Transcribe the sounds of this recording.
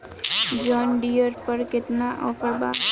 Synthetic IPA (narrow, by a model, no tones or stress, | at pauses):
d͡ʒɔːnɖijəɾpəɾkɪt̪naʔɔːpəɾba̰ː